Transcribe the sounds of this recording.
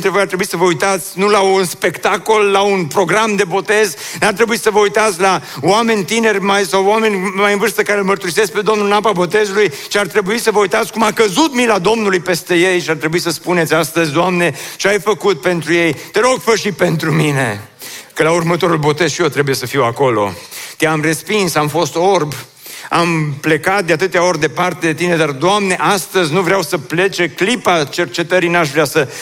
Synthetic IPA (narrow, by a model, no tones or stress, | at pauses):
t̪evojart̪ɾe̞buisəvəujt̪at̪sʲnulaunspe̞kt̪ako̞lːaunpɾo̞ɡɾamd̪e̞bo̞t̪e̞znart̪ɾe̞buisəvəujt̪at̪sʲlawame̞nʲt̪ine̞rʲmajsawwame̞nʲmajɨnvɨrst̪əkaɾelmərt̪uɾise̞sk̚pe̞d̪o̞mnulnapabo̞t̪e̞zuluj | t͡ʃiart̪ɾe̞buisəvəujt̪at̪sʲkumakəzut̪milad̪o̞mnulujpe̞st̪e̞je̞jʃiart̪ɾe̞buisəspune̞t̪sʲast̪əzʲd̪oamne̞t͡ʃeajfəkut̪̚pe̞nt̪ɾuje̞jt̪eɾo̞ɡfəʃipe̞nt̪ɾumine̞ | kəlaurmət̪o̞ɾulbo̞t̪e̞zʃijot̪ɾe̞buje̞səfiwako̞lo̞̰t̪eamre̞spinsamfo̞st̪o̞rb | ample̞kat̪̚d̪eat̪ɨt̪eao̞rʲd̪e̞part̪e̞d̪e̞t̪ine̞d̪ard̪oamne̞ʔast̪əzʲnuvɾeawsəple̞t͡ʃe̞klipat͡ʃe̞rt͡ʃe̞t̪əɾinaʃ̬vɾeasə